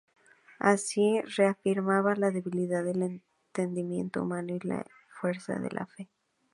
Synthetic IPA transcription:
asire̞afiɾmaβalaðe̞βiliðaðelen | t̪e̞nd̪imje̞̰nt̪oṵmãnoila̰ | fwe̞ɾsa̰ðe̞̰lʔa̰fe̞

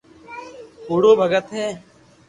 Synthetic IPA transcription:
poːɽoːbʱəɡət̪ɦɛː

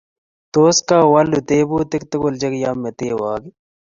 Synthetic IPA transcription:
t̪oːskaːwɐlut̪eːbuːt̪ɪkt̪ɐɡold͡ʒɐkjaːmːet̪eːwaːɡi

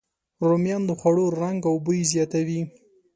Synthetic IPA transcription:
ɾomjɑnd̪əxwaɽoɾaŋɡawbəjizjɑt̪awi

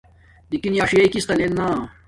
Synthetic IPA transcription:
d̪ikinjaːʂijɐikist̪ɐlenːaː

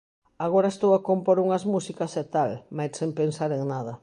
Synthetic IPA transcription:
aɣoɾɐest̪owakompoɾuŋɐzmusikɐsɛt̪almajssempensaɾeŋnaðɐ

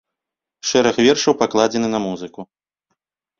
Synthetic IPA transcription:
ʂɛɾɐxvʲɛrʂɐwpaklˠad͡zʲɛnɨnɐmuzɨku

